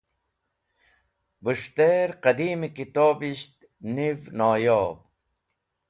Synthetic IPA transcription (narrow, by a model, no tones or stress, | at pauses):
bəʂt̪eːɾqɐd̪iːmikit̪oːbiɕt̪̚ | nivnaːjoːb